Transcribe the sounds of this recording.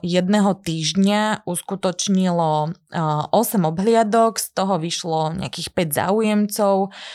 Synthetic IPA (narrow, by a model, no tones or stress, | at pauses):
jɛd̪nɛɦɔt̪iːʒɲauskut̪ɔt͡ʃɲilɔ | ʔɔsɛmɔbɦlɪad̪ɔkst̪ɔɦɔʋiʃlɔɲɛ̰a̰kiːxpɛɟza̰ːujɛmt͡sɔʊ